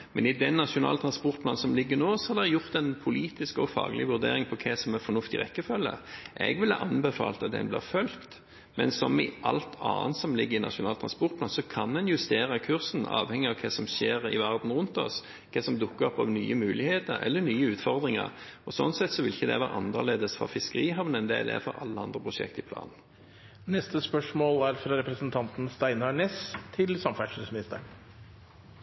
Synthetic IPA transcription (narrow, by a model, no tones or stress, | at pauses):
mɛnɪd̪ɛnːɑʂʊnɑ̰ːlət̪ɾɑnspɔʁt̪̚pʰlɑnsɔmlɪɡːənoːsɔhɑd̪ɛɛjʊɾt̪ɛnpʰʊliːt̪ɪskɔfɑ̰ːɡəlʔɪʋʉɾd̪ḛːɾɪŋpʰɔkʰɛsɔmɛfɔnʉft̪ɪ̰ʁɛkːəfœlːə̰ʔɛ̰ɡʋɪlɑ̰ʔɑnbəfɑ̰ːlt̪ɑt̪̚d̪ɛ̰nblɪ̰ɾfœlt̪ | mɛnsɔmɪʔɑlt̪ʰɑ̰ːnt̪sɔmlɪɡːəɾɪnɑ̰ʂʊnɑːlt̪ʰɾɑnspɔʁt̪̚plɑːnsɔkʰɑnd̪ɛnjʉst̪eːɾəkʰʉɾsn̩ɑ̰ːʋhɛŋːɪɑʋkʰɛsɔmʃeːɾɪ̰ʋæʁd̪n̩ʁʉnt̪ɔ̰s | kʰɛːsɔmd̪ʊkːəɾɔpːɑʋny̰ːəmʉːlɪheːt̪əɾɛ̰lːənyːəʉːt̪fɔʁd̪ɾɪŋə̰ɾɔsɔnːsɛt̪sɔʋɪlɪçːəd̪ɛ̰ʋæːɾʔɑ̰nːə̰leːd̪əsfɔ̰fɪskəɾiːɦɑʋnənd̪ɛæ̰d̪ɛ̰æ̰fɔ̰ɾɑ̰lːəɑnd̪ɾəpʰɾʊʂɛ̰kt̪ɪpʰlɑ̰ːnn̩ | nɛst̪əspœʂmoːlæɾfɾɑɾɛpɾəsənt̪ʰɑnt̪n̩st̪æɪnɑɳeːst̪ʰɪlsɑmfæʂʉsmɪnɪst̪əɾ